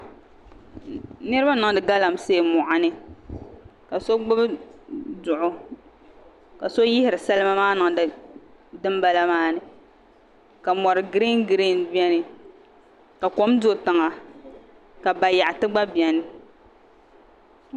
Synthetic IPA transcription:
nɨ˦ɾɨ˦ba˦nɨ˨ŋ˦dɨ˨ɡa˦la˨mse˦˨mʊ˨ʔa˨nɨ˦ | ka˨so˦ɡ͡bʊ˦bɨ˦dʊ˨ʔʊ˨ | ka˨so˦jɪ˦hɪ˨ɾɨ˨sa˦lɨ˦ma˦maː˦nɨ˨ŋddɨ˦mba˦la˦maː˦nɨ˨ | ka˨mɔ˨ɾɨ˨ɡɾe˦nɡɾi˦˨nbi˦ɛ˦nɨ˨ | ka˨ko˦mdo˦tɨ˨ŋa˨ | ka˨ba˨ja˨ʔtɨ˦ɡ͡ba˦bi˨ɛ˨nɨ˨

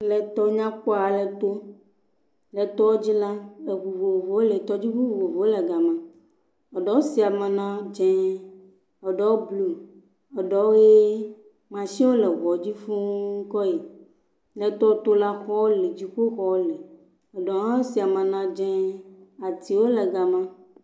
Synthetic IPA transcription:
lɛ˨t̪ɔ˦ɲã˦k͡pɔ˦a˨lɛ˨t̪o˦ | lɛ˨t̪ɔ˦wo˦d͡ʑi˦la˦lɛ˨βu˨vo˨vo˨wo˦lɛ˨t̪ɔ˦d͡ʑi˦ɸu˦u˨vo˨vo˨wo˦lɛ˨ɡa˨mã˨ | ɔ˨ɖɔ˦wo˦si˨a˨mɛ˨nã˦d͡ʒɛ̃˦ | ɔ˨ɖɔ˦wo˦blu˨ | ɔ˨ɖɔ˨wo˦je˦ | mã˨ʃĩ˦wo˦lɛ˨ɣɔ˨d͡ʑi˦fũ˦ŋ̩˦kɔ˦ji˨ | lɛ˨t̪ɔ˦o˦t̪o˦la˦xɔ˦wo˦li˨d͡ʑi˦ɸo˦xɔ˦wo˦lɛ˨ | ɔ˨ɖɔ˨ŋã˦o˦si˨a˨mɛ̃˨nã˦d͡ʒɛ̃˦a˨t̪i˨wo˦lɛ˨ɡa˨mã˦

